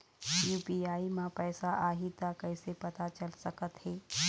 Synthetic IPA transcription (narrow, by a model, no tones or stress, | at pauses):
juːbiaːimãpɛːsaʔaːɦit̪akɛɪsepɐt̪at͡ʃəlsɐkət̪hɛː